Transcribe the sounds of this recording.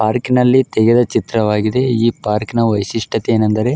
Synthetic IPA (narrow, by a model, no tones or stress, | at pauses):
paːɾkinɐlːit̪ɛɡed̪ɐt͡ʃit̪ɾɐʋaːɡid̪e̞iːpaːɾknɐʋɐjsiʂʈʰɐt̪eeːnɐnd̪ɐɾe̞